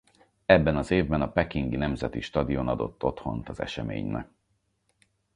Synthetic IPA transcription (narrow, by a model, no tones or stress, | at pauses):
ɛbːɛnɒzeːvbɛnɒpɛkiŋɡinɛmzɛt̪iʃt̪ɒd̪ionɒd̪o̞̰t̪ʰːo̞t̪ho̞̰nt̪ɒzɛ̰ʃɛmḛːɲnɛ̰k